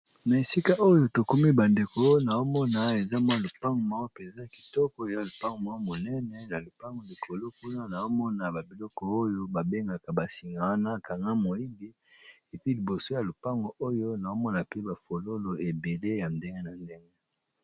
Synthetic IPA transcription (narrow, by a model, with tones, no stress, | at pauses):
na˨e˨si˦ka˦o˦jo˦to˨ko˦mi˦ba˨nde˨ko˦na˨o˦mɔ˦na˨e˨za˦mwa˦˨lo˨pa˦ŋɡo˨ma˨˦o˦pe˨nza˦˨ki̥˨tɔ˦kɔ˦e˨ja˨lo˨pa˦ŋɡo˨ma˨˦o˦mo˨nɛ˦nɛ˨na˨lo˨pa˦ŋɡo˨li˨kʰo˨lo˦ku˦na˦na˨zo˦mɔ˦na˨ba˨bi˨lɔ˦kɔ˦o˦jo˦ba˨be˦ŋɡa˨ka˨ba˨si˨ŋɡa˨wa˦na˦ka˨ŋɡa˦mo˨i˦bi˦ | e˨pi˦li˨bo˨so˦ja˨lo˨pa˦ŋɡo˨o˦jo˦na˨o˦mɔ˦na˨pe˦ba˨fo˨lo˦lo˨e˨be˨le˦ja˨nde˦ŋɡe˦na˨nde˦ŋɡe˦